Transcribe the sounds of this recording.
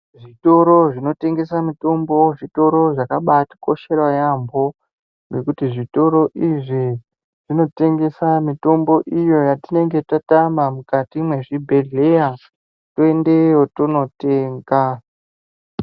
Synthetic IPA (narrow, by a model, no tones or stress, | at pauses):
ʐito̞ɾo̞ʐino̞te̞ŋɡe̞samito̞mbo̞ʐito̞ɾo̞ʐakaɓatḁko̞ʃe̞rwajambo̞ | nekutiʐito̞ɾo̞ʔiʐi | ʐ̥ino̞te̞ŋɡe̞samito̞mbo̞ʔijo̞jatine̞ŋɡe̞tatamamukatimwe̞ʐibʱe̞ɮe̞ja | to̞e̞nde̞jotono̞te̞ːŋɡa